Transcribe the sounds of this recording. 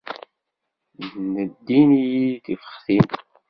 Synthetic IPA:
nəd̪ːinijiθifə̥χθin

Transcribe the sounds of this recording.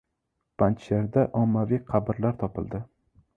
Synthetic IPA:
b̥ant͡ʃeɾd̪aʔɒmːavijqʰɑbɪɾlaɾt̪ʰɒpɪlˠd̪ɪ

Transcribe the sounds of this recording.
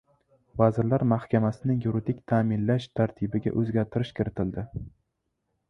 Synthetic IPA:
vazɪɾlaɾmahkʲamasɪnɪjuɾid̪ɪkʲt̪ʰamɪnlaʃt̪ʰaɾt̪ʰɪbɪɡʲa̰ʔɵzɡʲaɾt̪ʰɪɾɪʃkʲʰɪɾɪt̪ʰɪld̪ɪ

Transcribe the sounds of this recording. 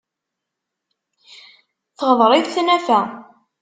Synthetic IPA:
θəʁəðˤɾˤɪðθnæfæ

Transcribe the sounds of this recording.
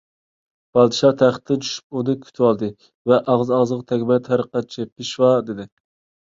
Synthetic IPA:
b̥ɑlˠd̪ɨʃɑt̪ʰæχə̥t̪ʰːɪnt͡ʃʰy̥ʃy̥p̚unɨkʲʰy̥t̪ʰɪwɑlˠd̪ɨ | vɛʔɑʁzɑʁzʁt̪ʰɛɡʲmɛt̪ʰhæɾəqɑt̪̚t͡ʃʰɛpʰɪʃwɑd̪ɪd̪ɪ

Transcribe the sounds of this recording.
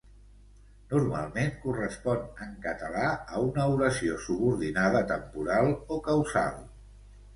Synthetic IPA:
nuɾma̰lˠmenkurəspɔnəŋkət̪əlaəunəuɾəsiosuβuɾðinaðət̪əmpuɾalˠokəwza̰lˠ

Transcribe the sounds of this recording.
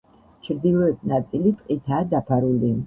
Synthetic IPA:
t͡ʃʰɾd̪ilɔɛt̪ʰnat̪sʼilit̪ʼqʼit̪ʰaːd̪apʰaɾuli

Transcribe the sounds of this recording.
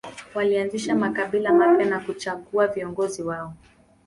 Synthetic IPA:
walianziʃamakaɓilamapjɛnakut͡ʃaɠuaviɔŋɡɔziwaɔ

